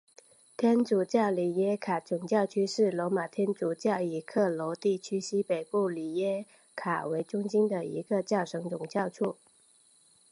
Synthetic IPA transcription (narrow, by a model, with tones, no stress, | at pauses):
t̪ʰjɛ˥nt͡su˨˩t͡ɕjɑ˥˩ʊli˨˩jɛ˥kʰa˨˩t͡sʊ˨˩ŋt͡ɕjɑ˥˩ʊt͡ɕʰy˥ʂɻ̩˥˩lɔ˧˥ma˨˩t̪ʰjɛ˥nt͡su˨˩t͡ɕjɑ˥˩ʊi˨˩kʰɤ˥˩lɔ˧˥t̪i˥˩t͡ɕʰy˥ɕi˥pe˨˩ɪpu˥˩li˨˩jɛ˥ | kʰa̰˨˩we˧˥ɪʈ͡ʂʊ˥ŋɕi˥nd̪ə˨ḭ˧˥ɡə˧t͡ɕjɑ˥˩ʊʂʰɤ˧˥ŋt͡sʊ˨˩ŋt͡ɕjɑ˥˧ʊʈ͡ʂʰu˥˩